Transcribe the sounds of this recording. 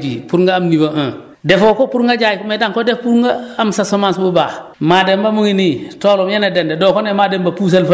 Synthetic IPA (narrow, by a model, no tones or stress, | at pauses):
d͡ʒḭpuɾŋɡaːmniboʔə̃ | dɛfokopuɾŋɡad͡ʒajikmedaŋkodɛfpuɾŋɡaamsasomansbubaː | maːdɛmbamuŋinitolɔmjanedɛndɛdɔkɔnɛmadɛmbapus̬ɐlf